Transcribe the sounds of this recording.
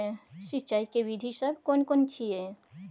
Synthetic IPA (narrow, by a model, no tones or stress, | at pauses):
ʃɪt͡ʃaːikeʋid̪ʱisəbʱkoːnkoːnt͡ʃʰie